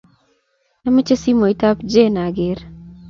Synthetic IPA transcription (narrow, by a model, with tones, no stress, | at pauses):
na˦mə˦t͡ʃe˦si˦mo˨i˨ta˦pd͡ʒe˦na˨ɡɪɾ